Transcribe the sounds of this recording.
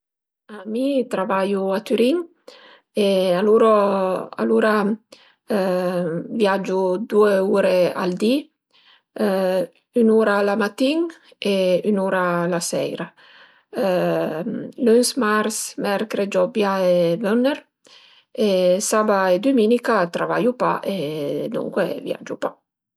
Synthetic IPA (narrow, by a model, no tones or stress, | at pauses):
amit̪ɾavajuat̪yɾiŋ | ealuɾoa̰luɾa | vjad͡ʒud̪ueuɾea̰ld̪i | ynuɾalamat̪iŋ | eynuɾalasɛ̰jɾa | lynsmaɾsmɛɾkɾed͡ʒɔbjaevønːeɾ | esabaed̪uminikat̪ɾava̰jupa̰ʔed̪ṵŋkwḛvja̰d͡ʒupa